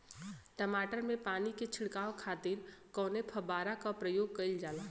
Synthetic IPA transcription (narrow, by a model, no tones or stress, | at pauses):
ʈəmaːʈəɾmẽpaːniket͡ʃʰɪɽkaːokʰaːt̪iːɾkɔ̃ːnepʰɐbaːɾakapɾəjoːɡ̚kɐɪld͡ʒaːlaː